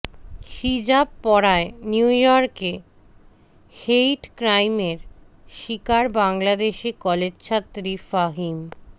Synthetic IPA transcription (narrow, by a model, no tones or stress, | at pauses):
ʃid͡ʑabpɔɾaeniujɔɾke | hejʈkɾajmeɾ | ʃikaɾbaŋlad̪eʃikɔled͡ʑt͡ɕʰat̪ːɾifaɦim